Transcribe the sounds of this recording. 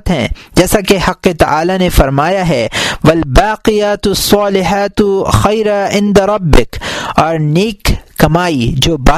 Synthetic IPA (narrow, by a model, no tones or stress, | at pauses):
t̪ɦɛ̰̃d͡ʒɛːsakehɐqːet̪ɐʔaːlanefɐɾmaːjaɦɛːʋɐlbaːqɪjat̪sːɑːlɪɦaːt̪ʊxɐjɾaɪ̃nd̪aɾˤɐbːɪkɔːɾneːkːɐmaːid͡ʒoːbaː